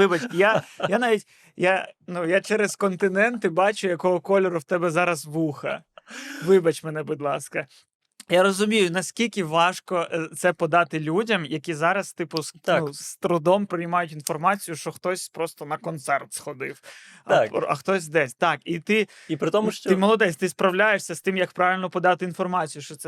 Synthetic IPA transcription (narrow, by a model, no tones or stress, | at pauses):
ɪbɐt͡ʃjajanɑʋʲitʲ | janujat͡ʃɛɾezkɔnt̪ɪnɛnt̪ɪbɑt͡ʃʊjɐkɔɦɔkɔlʲɛɾʊwt̪ɛbɛzɑɾɐsʋuxɐ̰ʋɪbɐt͡ʃmɛn̪ɛbʊd̪ʲlˠɑskɐ | jaɾɔzʊmʲijʊnɐsʲkʲilʲkʲɪʋɑʃkɔt̪sɛpɔd̪ɑt̪ɪlʲudʲɐmjɐkʲizɑɾɐst̪ɪpʊnust̪ɾʊd̪ɔmpɾɪjmɑjʊtʲinfɔrmɑt͡sʲijʊʃt͡ʃɔxt̪ɔsʲpɾɔst̪ɔnɐkɔnt̪sɛrt̪sxɔd̪ɪw | ɐ̰xt̪ɔsʲd̪ɛsʲt̪ɑkit̪ɪ | ipɾɪt̪ɔmʊʃt͡ʃɪmɔlˠɔd̪ɛsʲt̪ɪspɾɐwlʲajeʃsʲɐst̪ɪmjɐkpɾɑʋʲɪlʲnɔpɔd̪ɑt̪ɪin̪fɔrmɑt͡sʲijʊʃt͡ʃɔt̪sɛ